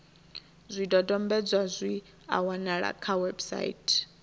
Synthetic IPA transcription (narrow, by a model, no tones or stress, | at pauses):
zʷidʼɔdʼɔmbɛd͡zwazʷi | a̰wanaɺa̰kʰawɛbsa̰ḭtʼ